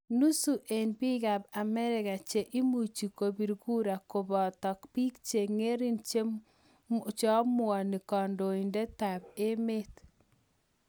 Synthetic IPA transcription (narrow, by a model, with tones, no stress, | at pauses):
nu˦su˨ʔe˨npi˦ɡa˨ba˨mɛ˦ɾɪ˨ka˨t͡ʃe˨ʔi˦mu˨t͡ʃi˨ko˨bi˨ɾɡu˦ɾa˨ko˨bɔ˨tɔ˨kpi˦kt͡ʃe˨ŋe˦ɾi˦nt͡ʃe˦ | t͡ʃɔ˦mʊ˦ɔ˨nɪ˨kɔ˨ndo˨i˨nde˦ta˨be˦me˦t